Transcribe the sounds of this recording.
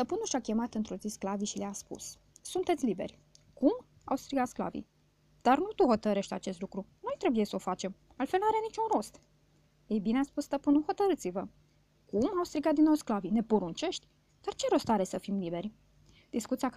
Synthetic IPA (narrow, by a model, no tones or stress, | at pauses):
st̪əpɨnuʃakʲe̞mat̪ɨnt̪ɾozisklaviʃileaspṵs | sunt̪e̞t̪sʲlibe̞̰rʲ | kum | a̰wst̪ɾiɡat̪skla̰vḭ | d̪̥arnut̪uho̞t̪əɾe̞ʃt̪ʲat͡ʃe̞st̪lukɾuno̞jt̪ɾe̞bujesəofat͡ʃe̞m | alt̪fe̞lnaɾeanit͡ʃunro̞st̪ | jejbineaspust̪əpɨnuho̞t̪əɾɨt̪sivə | kumawst̪ɾiɡat̪d̪inːowsklavine̞poɾunt͡ʃe̞ʃt̪ʲ | d̪̥art͡ʃe̞ɾo̞st̪aɾe̞səfimlibe̞rʲ | d̪̥iskut̪siak